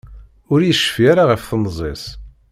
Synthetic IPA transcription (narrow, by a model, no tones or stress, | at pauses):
ʊɾjəʃːfiaɾaʁəfθənːzˤesˤ